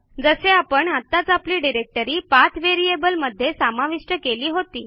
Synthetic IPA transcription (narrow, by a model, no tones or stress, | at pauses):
d͡zəseapəɳat̪ːat͡sapliːɖiɾek̚ʈəɾiːpat̪ʰʋeɾiebəlməd̪ʱːjesamaʋiʂʈəkeliːɦot̪iː